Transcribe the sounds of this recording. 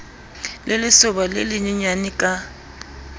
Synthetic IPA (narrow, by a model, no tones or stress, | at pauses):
lɪlɪsʊbalḛlɪɲiɲanɪkʼa